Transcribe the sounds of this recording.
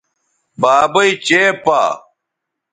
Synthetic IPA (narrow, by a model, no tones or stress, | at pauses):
baːbɐit͡ɕeːpa̰ː